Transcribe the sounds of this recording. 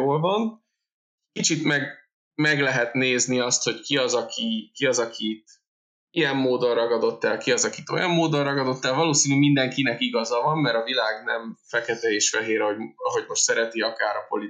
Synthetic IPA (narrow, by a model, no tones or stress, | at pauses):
oːlvɒn | kit͡ʃit̪mɛɡ | mɛɡlɛɦɛt̪neːzniɒst̪ho̞ckiɒzɒkʰikiɒzɒkʰit̪ | ijɛmːoːd̪o̞nrɒɡɒd̪o̞t̪ːɛlkiɒzɒkit̪o̞̰jɒmːoːd̪onrɒɡɒd̪o̞t̪ːɛlvɒloːsiːnymind̪ɛŋkinɛkiɡɒzɒvɒmːɛɾɒvilaːɡnɛmfɛkɛt̪ɛeːʃfɛɦeːɾɛoɦo̞ɟmo̞ʃt̪sɛɾɛt̪iɒkaːɾɒpo̞li